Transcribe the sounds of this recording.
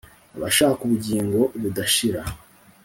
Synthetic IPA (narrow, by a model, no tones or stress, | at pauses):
aβa̰ʃaːakuβuɟiːŋɡo̞βudaʃiɾa